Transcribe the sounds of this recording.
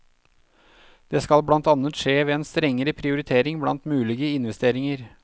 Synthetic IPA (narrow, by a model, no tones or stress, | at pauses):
d̪̥eːskɑlblɑnt̪ɑnət̪ʂeːʋeːeːnst̪ɾɛŋːəɾəpʰɾɪʊɾɪt̪ʰeːɾɪŋblɑ̰nt̪mʉːlɪɡəɪnʋɛst̪eːɾɪŋəɾ